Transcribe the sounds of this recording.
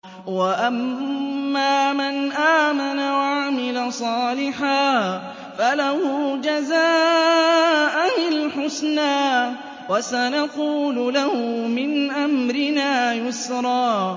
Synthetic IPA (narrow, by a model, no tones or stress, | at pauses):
waʔamː | aːmanʔaːmanawaʕamɪlasˤɑːlɪħaː | falahʊd͡ʒazaː | ʔanɪlħʊsnaː | wasanaquːlʊlahʊmɪnʔamɾɪnaːjʊsɾˤɑː